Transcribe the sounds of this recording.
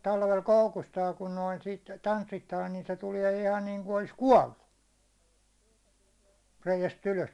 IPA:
tɑlʋel koukustɑː kun noin sit tɑnsːitːɑː nin se tuliɛ ihɑn niːŋku olis kuɒlːu reijæst yløs

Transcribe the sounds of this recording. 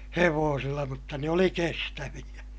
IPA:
heʋoːsilːɑ mutːɑ ne oli kestæʋij̆æ

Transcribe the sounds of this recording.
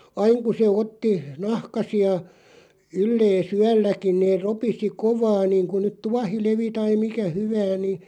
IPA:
ɑiŋ ku se otːi nɑhkɑsiɑ ylːeːs yælːækin̆ neːr ropisi koʋɑː niːŋku nyt tuɑhileʋi tɑi mikæ hyʋæːn̆ ni

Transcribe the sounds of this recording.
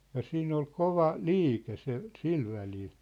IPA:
jɑ siːn ol koʋɑ liːke se sil ʋælil

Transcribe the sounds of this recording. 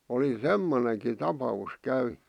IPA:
oli semːoneŋki tɑpɑus kæynẙ

